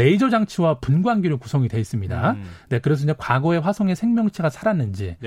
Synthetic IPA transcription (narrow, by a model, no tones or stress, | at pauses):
e̞id͡ʑʌd͡ʑaŋt͡ɕʰiwapunɡwanɡiɾukusʰʌŋidwe̞is͈ɯmɲida̰ne̞kɯɾe̞sʰʌiɲd͡ʑekwaɡʌe̞ɸwasʰʌŋe̞sʰeŋmjʌŋt͡ɕʰiɡasʰaɾanːɯnd͡ʑi